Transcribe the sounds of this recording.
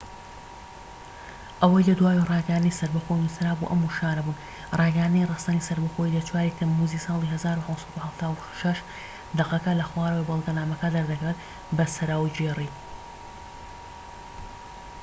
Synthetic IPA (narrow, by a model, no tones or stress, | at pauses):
ʔɐwɐjlɐd̪waːwirɑːɡɐjand̪ɨnisɐɾbɐxojnusɐɾaːbṵʔɐmːuʃaːnɐbuːn | rˤɑːɡɐjand̪ɨnjrɨst̪anisɐɾbɐxojilɐt͡ʃʰwaːɾit̪ʰɐmmuːzisɑːlˠiɦɐzaːɾunɐwsˤɐt̪uhɐft̪ʰaːwu | ʃɐʃ | d̪ɐqɐkɐlɐxwaːɾəwejbɐlˠɡɐnaːmɐkad̪ɐɾd̪ɐkɾet̪ | bɐsɐɾaːwd͡ʒeri